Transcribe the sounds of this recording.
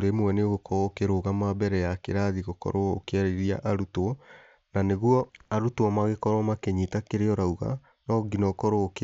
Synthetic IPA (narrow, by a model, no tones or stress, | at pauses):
oɾemwɛneɣokʰɔokeɾoːɣamabɛɾɛjakeɾaðiɣokɔ̰ɾoo̰keaɾeɾia̰ʔaɾutwɔ | naneɣuɔaɾutoɔmaɣekɔɾwɔmakeɲitakeɾeɔɾauɣa̰ | nɔɡinɔkɔɾoːke